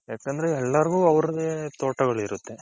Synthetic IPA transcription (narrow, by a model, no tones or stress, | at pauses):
jaːkɐnd̪ɐɾeɛlːɐɾiɡuːɐʋɐɾɐd̪et̪oːʈɐɡɐɭuiɾut̪ːe̞